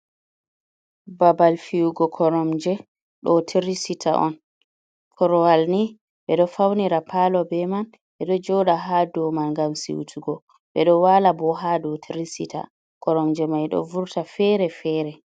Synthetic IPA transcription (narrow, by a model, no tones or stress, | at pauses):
babalfiwuɡɔkʰɔɾɔmd͡ʒɛ | ɗɔtʰeɾisitʰa̰ʔɔ̰n | kʰɔɾɔwalni | ɓɛɗɔfawniɾapʰalɔbɛman | ɓɛɗɔd͡ʒɔɗaɦadɔmanŋɡamsḭwṵtʰuɡɔ | ɓɛɗɔwalabɔɦadɔtʰiɾisita̰ | kɔɾɔmd͡ʒɛmajɗɔ̰vuɾtafɛɾɛfɛːɾɛ